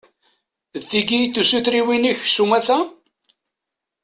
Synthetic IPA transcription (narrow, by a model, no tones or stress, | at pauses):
ðθiɡijθusuθɾiwiniçsumæθæ